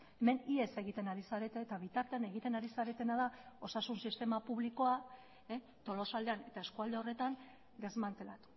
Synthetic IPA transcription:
eme̞nie̞se̞ɣit̪e̞naɾisaɾe̞t̪eːt̪aβ̞it̪aɾt̪e̞ane̞ɣit̪e̞naɾisaɾe̞t̪e̞naðao̞sasunsist̪e̞mapuβliko̞a | t̪o̞lo̞sald̪e̞ane̞t̪ae̞skuald̪e̞o̞re̞t̪an | ɡ̪e̞zmant̪e̞lat̪u̥

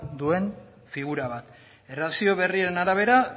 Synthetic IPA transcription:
d̪ue̞n | fiɣ̞uɾaβ̞at̪ | erasio̞β̞e̞riaɾe̞naɾaβ̞e̞ɾa

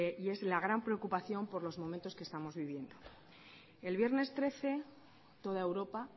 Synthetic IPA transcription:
ie̞zlaɣ̞ɾampɾeokupaθjo̞mpo̞ɾlo̞zmo̞ment̪oske̞st̪amo̞zβiβ̞je̞nd̪o̞ | e̞lβje̞ɾne̞st̪ɾe̞θe̞ | t̪o̞ð̞ae̞wɾo̞pa

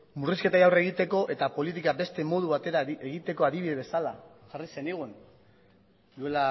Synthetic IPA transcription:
muriske̞t̪ajawreɣ̞it̪e̞ko̞ʔe̞t̪apo̞lit̪̬ikabe̞st̪e̞mo̞ð̞uβat̪e̞ɾaeɣit̪e̞ko̞aðiβiðe̞βe̞sala | ʝarise̞neɣun | d̪ue̞la

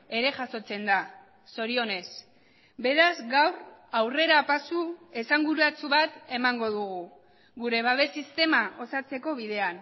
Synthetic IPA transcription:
e̞ɾe̞ʝaso̞t͡se̞nd̪a | so̞ɾio̞ne̞s | be̞ɾazɡawrawre̞ɾaːpasue̞saŋɡuɾuat͡suβat̪e̞maŋɡo̞ð̞uɣu | ɣuɾe̞βaβ̞e̞sist̪e̞mao̞sat͡se̞ko̞βiðe̞an

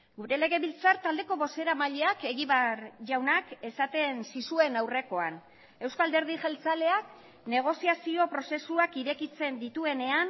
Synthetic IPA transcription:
ɡuɾe̞le̞ɣe̞βilt͡saɾt̪ald̪e̞ko̞βo̞se̞ɾamaʎe̞ake̞ɣiβaɾʝawnake̞sat̪e̞nsisue̞nawre̞ko̞an | e̞wskald̪e̞ɾðiʝelt͡sale̞ak | ne̞ɣ̞o̞siasio̞pɾo̞se̞suakiɾekit͡se̞nd̪it̪ue̞ne̞an

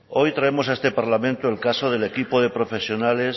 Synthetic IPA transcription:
ojt̪ɾaemos̬aest̪epaɾlamẽnt̪oelkasoð̞elekipoð̞epɾofesjonales

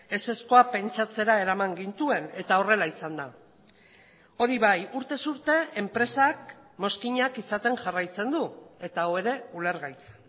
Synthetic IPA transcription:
e̞se̞sko̞ape̞nt͡ʃat͡se̞ɾae̞ɾamaŋɡint̪ue̞ne̞t̪ao̞re̞laisand̪a | o̞ɾiβajuɾt̪e̞suɾt̪e̞empɾe̞sak̚ | mo̞skiɲakisat̪e̞ŋʝarajt͡se̞nd̪ue̞t̪aoe̞ɾe̞ule̞ɾɣajt͡se̥n

